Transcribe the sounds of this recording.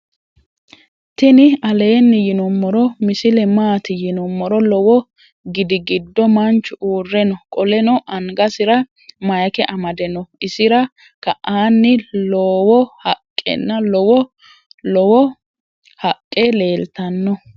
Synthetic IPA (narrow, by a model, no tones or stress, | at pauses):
t̪ɪnɪɐle̞ːnːɪjɪnɔmːɔɾɔmɪsɪlɛmaːt̪ɪjɪnɔmːɔɾɔlɔwɔ | ɡɪd̪ɪɡɪd̪ːɔmɐnt͡ʃːʊuːrːɛnɔkʼɔlɛnɔʔɐŋɡɐsɪɾɐ | mɐjɐkɛʔɐmɐd̪ɛnɔʔɪsɪɾɐ | kɐʔaːnːɪloːwɔhɐkʼːɛ̰nːɐlɔwɔ | lɔwɔ | hɐkʼːele̞ːlt̪ɐnːɔ